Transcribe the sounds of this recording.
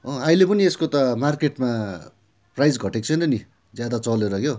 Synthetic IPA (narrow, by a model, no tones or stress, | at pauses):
ʌailepʌnieskot̪ʌmarkeʈma | prajd͡zɡʱʌʈek̚t͡sʰʌnʌni | d͡zjad̪at͡sʌleɾʌkjo